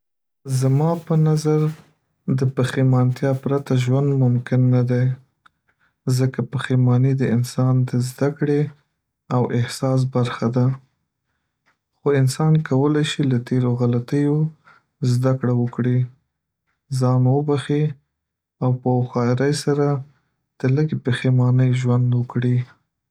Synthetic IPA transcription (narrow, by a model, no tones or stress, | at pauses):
zamɑpənazaɾ | d̪əpəximɑnt̪jɑpɾat̪aʒwand̪mʊmkɪnːad̪a | zəkapəximɑnid̪əɪnsɑnd̪əzd̪akɽe | awʔɪhsɑs̬baɾxad̪a | xoɪnsɑnkawəlajʃilat̪eɾoɣalat̪əjo | zd̪akɽawəkɽi | zɑnwəbaxi | awpəxɑɪɾajsaɾa | d̪̥ələɡepəxemɑnəjʒwand̪wəkɽi